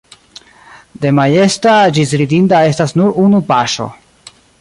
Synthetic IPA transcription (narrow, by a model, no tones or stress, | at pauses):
de̞maje̞stad͡ʒis̬ɾidintae̞stasnuɾunupaʃo̞̰